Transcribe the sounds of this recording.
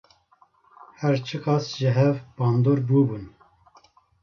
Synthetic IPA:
hɛɾt͡ʃʰɨqɑsʒɨɦɛvbɑːnd̪oːɾbubun

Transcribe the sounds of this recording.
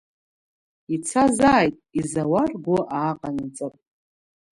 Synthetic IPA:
it͡sʰazaːjtʼizawarɡʷʊʔaːqʼanɨt͡sʼɨpʼ

